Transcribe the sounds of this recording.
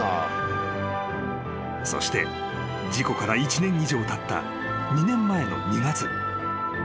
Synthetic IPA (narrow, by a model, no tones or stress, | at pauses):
so̞̰ɕi̥t̪e̞̰ | d͡ʑiko̞kaɾait͡ɕinẽ̞ŋ̃iʑo̞ːt̪at̪ːa̰ | ɲ̟inẽ̞mːae̞no̞̰ɲ̟iɡat͡sɨ